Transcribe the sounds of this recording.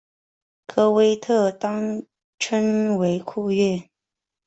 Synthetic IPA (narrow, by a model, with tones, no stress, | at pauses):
kʰɤ˥we˥ɪt̪ʰɤ˥˩t̪ɑ˥ŋ | ʈ͡ʂʰə˥nwe˧˥ɪkʰu˥˧ɥɛ˥˩